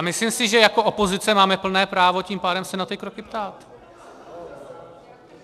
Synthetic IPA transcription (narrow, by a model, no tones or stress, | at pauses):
amɪslimsɪʒɛjako̞ʔopozɪt͡sɛmaːmɛpl̩nɛːpɾaːvo̞ciːmpaːdɛmsɛnat̪ɪkɾokɪpt̪aːt̪